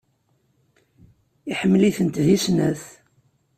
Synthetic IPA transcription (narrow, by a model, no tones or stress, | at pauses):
iħəmːliθənt̪ðisnæθ